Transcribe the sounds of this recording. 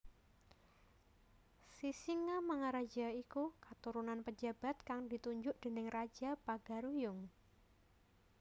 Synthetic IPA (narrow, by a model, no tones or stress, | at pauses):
sisiŋamaŋaɾad͡ʒaikukat̪uɾunanpəd͡ʒa̤b̥a̤t̪̚kaŋdit̪uɲd͡ʒʊʔd̥e̤nɪŋrḁd͡ʒapaɡ̥aɾujʊŋ